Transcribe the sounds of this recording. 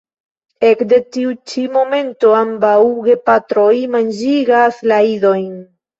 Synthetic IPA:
e̞kde̞tiut͡ʃimo̞me̞nto̞ambawɡe̞patɾo̞jmand͡ʒiɡaslaido̞jn

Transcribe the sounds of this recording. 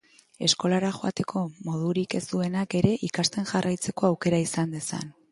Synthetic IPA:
e̞sko̞laɾaxo̞at̪e̞kʰo̞mo̞ð̞uɾike̞zd̪ue̞nake̞ɾe̞ʔikast̪e̞nʝarajt͡se̞ko̞awke̞ɾaisand̪e̞sa̰n

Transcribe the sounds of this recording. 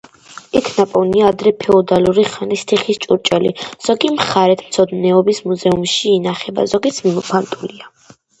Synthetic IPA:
ikʰnapʼɔniaːd̪ɾɛpʰɛɔd̪aluɾiχanist̪ʰiχist͡ʃʼuɾt͡ʃʼɛliz̥ɔɡimχaɾɛt̪ʰmt̪sʰɔd̪nɛɔbismuzɛumʃiːnaχɛba̰zɔɡit̪sʰmimɔpʰant̪ʼulia

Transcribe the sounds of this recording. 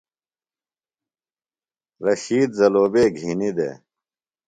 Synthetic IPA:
ɾɐɕiːd̪zɐloːbeːɡʱinid̪ḛː

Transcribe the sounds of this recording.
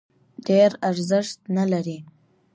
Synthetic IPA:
deːrarzɨʂt̚nəlaɾi

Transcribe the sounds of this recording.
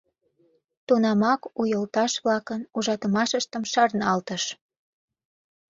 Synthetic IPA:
t̪unɑmɑkujəlt̪ɑʃβlɑkənuʒɑt̪əmɑʃəʃt̪əmʃɑrnɑlt̪əʃ

